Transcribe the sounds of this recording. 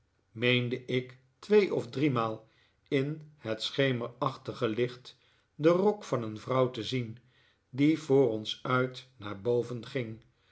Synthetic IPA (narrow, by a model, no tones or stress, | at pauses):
mejndəʔɪk | tʋejʔɔvdrimaːlˠ | ɪnhətsχejməɹɑχtəχəlɪχt | dərɔkfɑnənvrʌwtəzin | divʊːɾɔnsœɥtnaːɹbowvənχɪŋ